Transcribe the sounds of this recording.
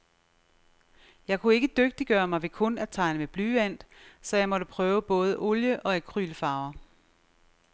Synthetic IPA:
jɑ̈ɪkʰue̝ɡ̥əd̥øɡ̥̚d̥iɡ̥ɶːɐmɑ̈ɪʋe̝kʰɔ̽næt͡sʰɑ̈ɪnəmeb̥lyːʋæn̰d̥sɒ̽jɑ̈ɪmɒ̽ɾəpʰʁœːʊəb̥ɔ̽ːð̞ˠəʔoljəʔɒ̽ekʰʁy̰ːlfɑ̈ːʊɐ

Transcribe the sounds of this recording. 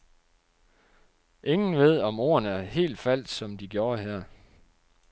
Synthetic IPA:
ʔe̝ŋn̩ʋe̝ð̞̰ˠɒ̽mo̝ːɐnəæɐhe̝̰ːld̥fæl̰d̥sɒ̽md̥iɡ̥jo̝ːɐɦeɐ̰

